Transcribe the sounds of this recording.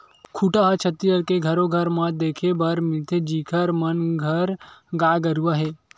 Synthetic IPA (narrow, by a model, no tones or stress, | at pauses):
kʰuʈaɦat͡ʃʰɐt̪ijəɾkeɡʱɐɾoɡʱɐɾmãd̪eːkʰebɐɾmɪlt̪ʰed͡ʒiːkʰəɾmɐnɡʱəɾɡaːɡɐɾuʋaɦe